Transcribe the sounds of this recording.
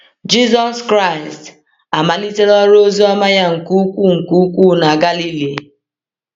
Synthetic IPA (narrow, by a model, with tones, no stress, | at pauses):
d͡ʒi˦zɔ˦skɾa˦˨ɪ˨st | a˨ma˨li˦te˦ɾɔ˦ɾo˦zi˦ɔ˦ma˦ja˦ŋ̩˨ku˦kʷu˦ŋ̩˨ku˦kʷu˦na˨ɡa˦li˦li˨